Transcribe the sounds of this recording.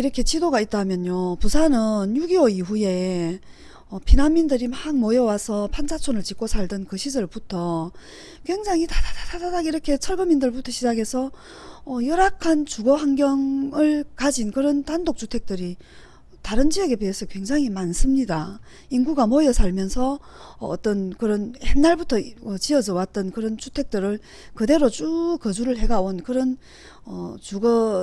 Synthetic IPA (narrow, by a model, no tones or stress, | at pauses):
iɾʌkʰe̞t͡ɕʰidoɡait̚t͈amjʌɲjopusʰanɯnjuɡioiɸuje̞ | ʌpinanmːindɯɾimhaŋmʌjʌwasʰʌpʰand͡ʑʰat͡ɕʰonɯɭt͡ɕik͈osʰaɭdɯnkɯɕʰid͡ʑʌɭputʰʌ | kwe̞ŋd͡ʑaŋitadadadadadaɡiɾʌkʰe̞t͡ɕʰʌɭbʌmindɯɭputʰʌɕʰid͡ʑaɡe̞sʰʌː | jʌɾakʰant͡ɕuɡʌɦaŋɡjʌŋɯɭkad͡ʑinkɯɾʌntandok̚t͡ɕutʰe̞k̚t͈ɯɾi | taɾɯnd͡ʑiʌɡe̞peɦesʰʌkwe̞ŋd͡ʑaŋɦimansʰɯmɲida | inɡuɡamʌjʌsʰaɭmjʌnsʰʌ̰ː | t͈ʌnkɯɾʌnhenːaɭbutʰʌʌt͡ɕiʌd͡ʑʌwat̚t͈ʌnkɯɾʌnt͡ɕutʰe̞k̚t͈ɯɾɯɭ | kɯde̞ɾot͡ɕ͈ukʌd͡ʑuɾɯɭɦe̞ɡaonkɯɾʌn | ʌt͡ɕuɡʌ